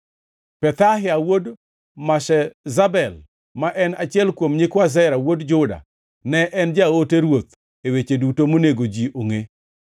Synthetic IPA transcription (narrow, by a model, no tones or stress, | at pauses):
pɛt̪aɦɪawod | maʃɛzabɛl | maʔɛnat͡ʃɪɛlkwomɲɪkwazɛɾawodd͡ʒʊda̰ | nɛʔɛnd͡ʒaoteɾwot̪ | ewet͡ʃedutomoneɡod͡ʒiʔoŋe